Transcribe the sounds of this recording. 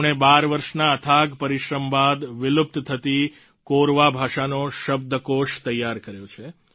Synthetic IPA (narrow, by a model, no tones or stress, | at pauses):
ɽ̃ebaɾʋəɾʃnaət̪ʰaɡpəɾiʃɾəmbad̪ʋɪlup̚t̪t̪ʰət̪i | koɾʋabʱaʃanoʃəb̚d̪ʱəkoʃt̪əjːaɾkəɾjõt͡ʃʰe